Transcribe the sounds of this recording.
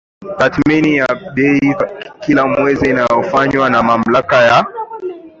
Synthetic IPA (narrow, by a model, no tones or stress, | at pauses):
taθminijaɓɛikilamwɛziːnajɔfaɲwanamam̩lakaja